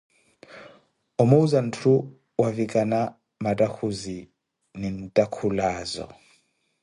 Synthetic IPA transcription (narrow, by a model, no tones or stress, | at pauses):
ɔmɔuzan̩tʰu | wavikʼana | matʼakʰuzi | nin̩tʼakʰulaːzɔ̰